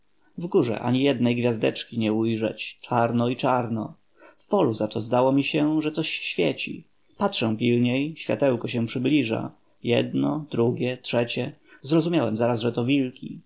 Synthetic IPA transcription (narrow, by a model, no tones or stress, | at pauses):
vɡuʐɛ̰ʔa̰ɲijɛd̪nɛjɡvʲjazd̪ɛt͡ʂkʲiɲɛujʐɛ̰t͡ɕt͡ʂaɾnɔit͡ʂaɾnɔ | fpɔluzat̪ɔzd̪awɔmʲiɕɛʐɛt̪sɔɕɕfʲjɛ̰t͡ɕḭ | patʂɛw̃pʲilɲejɕfʲja̰t̪ɛwkɔɕ̬ɛ̃pʂɘblʲiʐa̰ | jɛd̪nɔd̪ɾuɡʲjɛtʂɛt͡ɕɛzɾɔzumʲjawɛmzaɾasʐɛt̪ɔvʲilkʲi